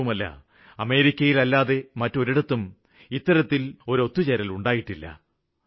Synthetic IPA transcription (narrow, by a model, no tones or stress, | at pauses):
umɐlːɐ̰ | ɐme̞ːɾikʲːɐjilɐlːaːðe̞mɐtːo̞ɾiɽɐt̪ːum | it̪ːɐɾɐt̪ːilo̞ɾo̞t̪ːut͡ɕeɾɐluɳɖaːjiʈːilːɐ̰